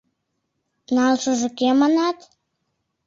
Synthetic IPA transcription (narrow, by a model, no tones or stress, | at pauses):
nɑlʃəʒə̆kemɑnɑt̪